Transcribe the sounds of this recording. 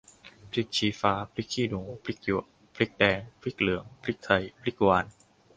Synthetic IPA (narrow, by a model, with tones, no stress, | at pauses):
pʰɾi˦˥k̚t͡ɕʰiː˨˦faː˧pʰɾi˦˥k̚ʰiː˥˩nu˩˦ŋpʰɾi˦˥k̚ju˧˩ | pʰɾi˦˥k̚dɛː˧ŋpʰɾi˦˥k̚lɯ˩˦əŋpʰɾi˦˥k̚t̪ʰa˧jpʰɾi˦˥k̚waː˧n